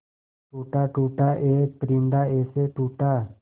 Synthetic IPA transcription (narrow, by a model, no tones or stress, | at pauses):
ʈuʈaʈuʈaʔepɾiɳɖaeseʈuʈa